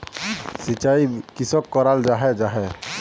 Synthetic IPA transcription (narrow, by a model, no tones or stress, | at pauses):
sit͡ʃaikisɔkːɔɾald͡ʒaɦɛd͡ʒaɦɛ